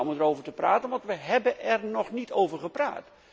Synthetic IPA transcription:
ɔmdərowvətəpraːtənʋɑntʋəɦɛbənʔɛrnɔχnitowvəɹχəpra̰ːt

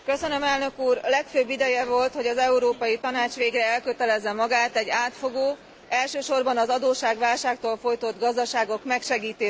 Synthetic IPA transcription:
køsønømɛlnø̞kuːrlɛkføbːid̪ɛjɛvo̞lt̪ho̞ɟɒzɛuɾoːpɒjit̪ɒnaːt͡ʃʋeːɡrɛɛlkøt̪ɛlɛzːɛmɒɡaːt̪ɛɟːaːt̪fo̞ɡoː | ɛlʃøːʃo̞rbɒnɒzɒd̪oːʃaːɡʋaːlʃaːkt̪oːlfo̞jt̪o̞d̪ɡɒzd̪ɒʃaːɡo̞kmɛkʃɛɡiːt̪eː

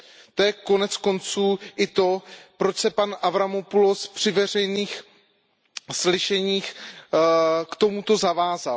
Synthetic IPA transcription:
t̪ojɛko̞nɛt͡sko̞nt͡suːʔɪt̪o̞pɾo̞t͡ʃsɛpanʔavɾamopulospr̝̥ɪvɛr̝ɛjniːx | slɪʃɛɲiːx | kt̪o̞mut̪o̞zavaːza

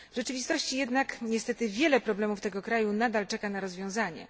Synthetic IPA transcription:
vʐɛt͡ʂɘvʲist̪ɔɕt͡ɕijɛd̪nakɲɛst̪ɛt̪ɘvʲjɛlɛpɾɔblɛmuft̪ɛɡɔkɾajunad̪alt͡ʂɛkanaɾɔzvʲjɔ̃w̃zaɲɛ̰

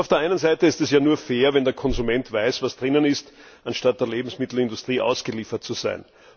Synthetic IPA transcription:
ʊfd̥eːɐʔaɪnənzaɪtəɪstɛsjaːnuːɐfeːɐvɛndeːɐkʰɔnzumɛntv̥aɪsvasd̥ʁɪnənɪst | ʔanʃtat̚d̥eːɐleːbm̩smɪtl̩ɪndʊstʁ̥iːʔa̰ʊsɡ̥əliːfɐt̚t͡suz̥a̰ɪn

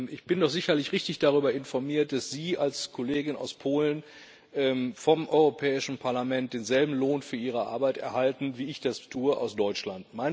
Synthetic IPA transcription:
ɪçb̥ɪndɔχz̥ɪçɐlɪçʁɪçtɪçd̥aʁ̞yːbɐɪnfɔɐmiːɐt̚d̥asz̥iːalskʰoleːɡɪna̰ʊspʰoːlən | ʔɛmfɔmʔɔʏʁopʰɛːɪʃn̩pʰaɐlamɛnt̚d̥eːnzɛlbm̩loːnfyːɐʔiːʁ̞əʔa̰ɐbaɪtɛ̰ɐhaltn̩viːɪçd̥astʰuːəʔa̰ʊsd̥ɔʏt͡ʃlantmaɪ

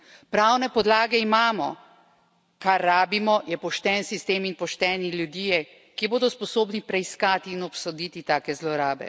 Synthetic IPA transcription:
pɾawnɛpɔd̪laːɡɛimaːmɔ̰ | kaɾːaːbimɔjɛpɔʃt̪ɛːnsist̪eːminpɔʃt̪ɛːniljud̪iːjɛ | kiboːd̪ɔspɔsoːbnipɾɛiskaːt̪iːnɔpsɔd̪iːt̪it̪aːkɛzlɔɾaːbɛ̰

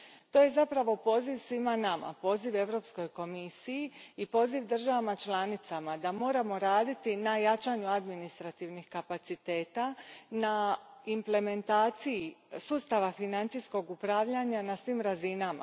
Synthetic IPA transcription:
t̪oje̞zapɾaʋo̞po̞ːziʋsʋimanama̰po̞ːziʋe̞ʋɾo̞psko̞jko̞misijiipo̞ːziʋd̪r̩ʒaʋamat͡ʃlanit̪samad̪amo̞ːɾamo̞ɾaːd̪it̪inajat͡ʃaɲuad̪minist̪ɾat̪iʋnixkapat̪sit̪e̞ːt̪anaimple̞me̞nt̪aːt̪sijisuːst̪aʋafinant̪sisko̞ɡupɾaːʋʎaɲanasʋiːmɾazinama̰

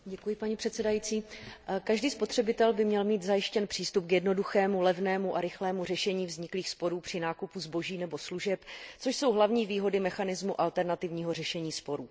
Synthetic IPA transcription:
ɟɛkujɪpaɲipr̥ɛt̪sɛdajit͡siːkaʒdiːspo̞t̪r̝̥ɛbɪt̪ɛlbɪmɲɛlmiːt̪zajɪʃcɛnpr̥iːst̪up̚kjɛdno̞duxɛːmulɛvnɛːmuʔaɾɪxlɛːmur̝ɛʃɛɲiːvzɲɪkliːxspo̞ɾuːpr̝̥ɪnaːkupuzbo̞ʒiːnɛbo̞sluʒɛpt͡so̞ʃso̞wɦlavɲiːviːɦo̞dɪmɛxanɪzmuʔalt̪ɛɾnat̪ɪvɲiːɦo̞rɛʃɛɲiːspo̞ɾuː

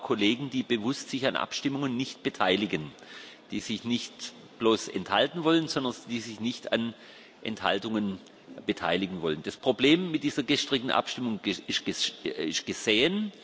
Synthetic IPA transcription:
kʰoleːɡŋ̩d̥iːbəvʊstsɪçanʔa̰pʃtɪmʊŋənːɪçt̚b̥ətʰaɪlɪɡənd̥iːzɪçnɪçt | b̥loːsɛ̰nthaltn̩vɔlənzɔndɐnd̥iːzɪçnɪçtʰa̰n | ʔɛ̰ntha̰ltʊŋən | b̥ətʰa̰ɪlɪɡŋ̩vɔlənd̥aspʁ̥obleːmːɪt̚d̥iːzɐɡəʃtʁ̥ɪk̚tn̩ʔa̰pʃtɪmʊŋɪʃɡ̥ɪʃt̚ɡ̥əz̥eːən

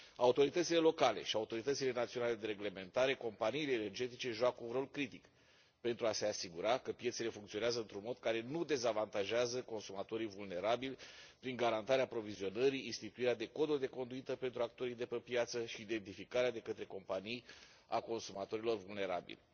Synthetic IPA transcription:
aut̪o̞ɾit̪ət̪sile̞lo̞kale̞̰ʃiaut̪o̞ɾit̪ət̪sile̞nat̪sio̞nale̞d̪e̞ɾe̞ɡle̞me̞nt̪aɾe̞ko̞mpaniːle̞ːne̞rd͡ʒe̞t̪it͡ʃe̞ʒuakəunro̞lkɾit̪ik | pe̞nt̪ɾuase̞asiɡuɾakəpje̞t̪se̞le̞fuŋkt̪io̞neazəɨnt̪ɾunmo̞d̪̚kaɾe̞nud̪e̞zavant̪aʒeazəko̞nsumat̪o̞ɾivulne̞ɾabilʲpɾiŋɡaɾant̪aɾeapɾo̞vizio̞nəɾiːnst̪it̪uiɾead̪e̞ko̞d̪od̪e̞ko̞nd̪uit̪əpe̞nt̪ɾuak̚t̪o̞ɾijd̪e̞pəpjat̪səʃiːd̪e̞nt̪ifikaɾead̪e̞kət̪ɾe̞ko̞mpanij | a̰ko̞nsumat̪o̞ɾilo̞rvulne̞ɾabḭlʲ

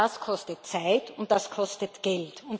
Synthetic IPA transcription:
askʰɔstətt͡saɪtʊnt̚d̥askʰɔstətɡ̥ɛltʊnt

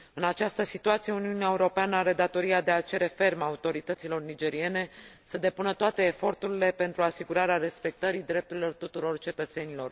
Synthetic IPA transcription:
ɨnat͡ʃast̪əsit̪uat̪sijeuniuneaeuɾo̞peanəaɾe̞d̪at̪o̞ɾiad̪e̞at͡ʃe̞ɾe̞fe̞rmaut̪o̞ɾit̪ət̪silo̞rnid͡ʒe̞ɾie̞ne̞səd̪e̞punət̪oat̪e̞ːfo̞rt̪uɾile̞pe̞nt̪ɾuasiɡuɾaɾeaɾe̞spe̞k̚t̪əɾid̪ɾe̞p̚t̪uɾilo̞rt̪ut̪uɾo̞rt͡ʃe̞t̪ət̪se̞nilo̞r

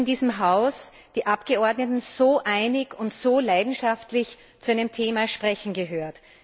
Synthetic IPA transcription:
ndiːzəmɦaʊs | d̥iːʔapɡ̥əɔɐdnətn̩z̥oːʔæɪnɪkʊntz̥oːlaɪdn̩ʃaftlɪç | t͡suæɪnəmtʰeːmaʃpʁ̥ɛçn̩ɡəɦøːɐt

